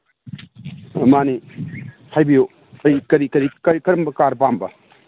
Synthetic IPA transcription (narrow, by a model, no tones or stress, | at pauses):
mani | hajbijo | ɐjkɐɾikɐɾikɐɾikɐɾɐmbɐkaɾpambɐ̰